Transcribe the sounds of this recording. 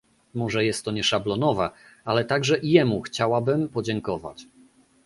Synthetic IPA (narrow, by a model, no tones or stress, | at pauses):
mɔʐɛjɛst̪ːɔɲɛʂablɔnɔva | alɛt̪aɡʐɛʔijɛmuxt͡ɕawabɘmpɔd͡ʑɛŋkɔva̰t͡ɕ